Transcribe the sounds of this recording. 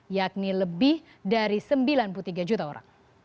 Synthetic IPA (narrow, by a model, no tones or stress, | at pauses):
jak̚niləbɪh | daɾisəmbilanput̪iɡad͡ʒut̪aoɾa̰ŋ